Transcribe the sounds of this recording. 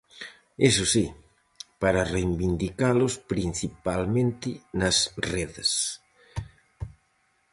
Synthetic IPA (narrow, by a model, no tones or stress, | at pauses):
esʊsi | paɾɐrejmbind̪ikalʊspɾin̟θipalmẽnt̪ɪnɐsreðɐs